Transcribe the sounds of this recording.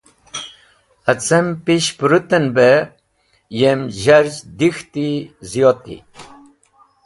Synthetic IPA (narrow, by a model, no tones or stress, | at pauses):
ət͡səmpiɕpuɾut̪ənbe | jemʑɐɾzd̪ixt̪izijot̪ḭ